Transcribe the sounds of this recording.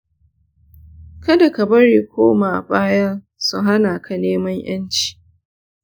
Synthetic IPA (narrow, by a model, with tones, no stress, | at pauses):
kɐ˦da˨ka˨bɐ˦ɽeː˨kʷoː˦maː˨baː˦jɐ˦n | su˨ɦa˦naː˨kʰa˨neː˦mɐ˦ɲj̰ɐ˦nt͡ʃi̥ː˨